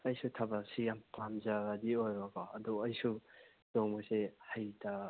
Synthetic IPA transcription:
ɐjsutʰabasijampamzaɡadiojbakaːduɐjsu | d̥ɔŋmɔsehajta

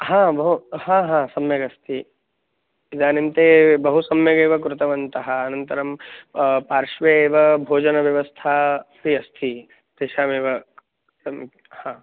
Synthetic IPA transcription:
ɦãːbɐɦuhãːɦãːsɐmjɐɡɐst̪ʰi | id̪aːnimt̪eːbɐɦusɐmjɐɡeːʋɐkɾʊt̪ɐʋɐnt̪ɐɦɐːnɐnt̪ɐɾɐm | paːɾʃʋeːʋɐbʱoːd͡ʒɐnɐʋjɐʋɐst̪ʰaːpiɐst̪ʰi | tɾeʃaːmeːʋɐ | sɐ | hãː

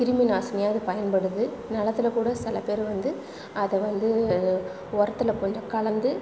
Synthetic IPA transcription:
kɪɾɪmɪnaːsɐnɪjaːðɯpɐjɐnpɐɽɯðɯnɐlɐt̪ːɪlɐkuːɽɐsɪlɐpeːɾʋɐnd̪ɯ | ɐðɛʋɐnd̪ɯ | ɔɾɐt̪ːɯlɐkɔnd͡ʒɐkɐɭɐnd̪ɯ

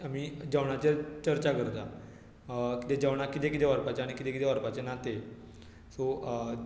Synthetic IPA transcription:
amiːd͡ʑəʋɳat͡ɕet͡ɕəɾt͡ɕakəɾt̪a | kit̪ed͡ʑəʋɽ̃akit̪ekit̪eʋaɾpat͡ɕeaɽ̃ikit̪ekit̪eʋaɾpat͡ɕenat̪e | so

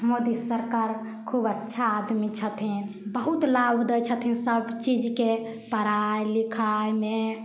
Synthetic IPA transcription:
mod̪isəɾkaɾ | kʰubətːʃʰaːd̪mit͡ʃʰət̪ʰĩ | bəɦut̪labd̪əjt͡ʃʰət̪ʰĩsəbt͡ʃid͡ʒke | pəɾajlikʰajme

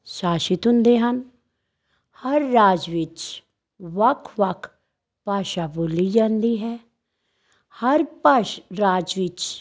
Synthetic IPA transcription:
saːʃɪt̪ɦʊ̃nd̪eːɦən | həɾːaːd͡ʒʋɪt͡ʃ | ʋəkʰʋəkʰ | paːʃaːboːliːd͡ʒãːnd̪iːɦɛː | həɾpaːɾaːd͡ʒʋɪt͡ʃ

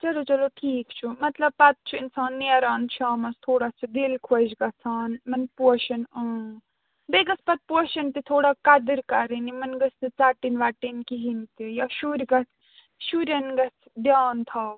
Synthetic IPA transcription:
t͡ʃɐlot͡ʃɐloʈʰiːkt͡ʃʰumɐt̪lɐb̚pɐt̪̚t͡ʃʰuinsaːnːeːɾaːnʃʰaːmɐst̪ʰoːɽat͡ʃʰud̪ilkʰod͡ʒɡɐsʰaːnmɐnpoʃɐnə | beɡɐspɐt̪̚poʃɐnt̪it̪ʰoːɽakɐd̪iɾkɐɾinimɐnɡɐst̪it͡saːʈinʋaːʈinkiɦint̪ijaʃuːɾʲɡɐs | ʃuɾʲɐnɡɐs | d̪jaːnt̪ʰaw

